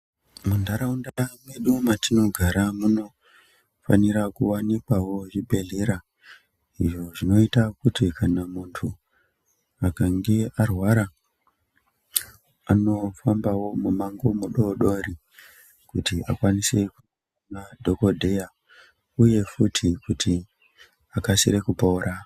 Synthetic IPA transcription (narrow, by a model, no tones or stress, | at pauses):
mundaɾaundamweɗumatino̞ɡʱaɾamuno̞ | fa̰niɾakuwanikwawo̞ʐibʱe̞ɮeɾa | iʐo̞ʐino̞itakutikanamuntʰu | akaŋɡe̞arwaɾa | ano̞fambawo̞mumaŋɡomuɗoɗo̞ɾi | kutia̰kwaniseku | nadʱo̞ko̞dʱe̞ja | uje̞futʰikutʰi | akasḭɾe̞kupoːɾa